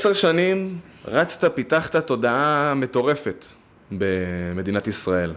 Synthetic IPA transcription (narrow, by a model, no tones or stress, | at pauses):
seʁʃanimʁat͡st̪apitaχt̪at̪o̞daame̞to̞ʁe̞fe̞t̪ | beme̞d̪inatisʁae̞l